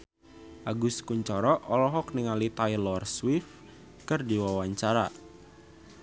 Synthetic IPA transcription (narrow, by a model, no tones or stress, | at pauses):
ʔaɡuskuɲt͡ʃɔɾɔʔɔlɔɦɔk̚niŋalit̪ajlɔrswɪf | kɨrdiwawaɲt͡ʃaɾa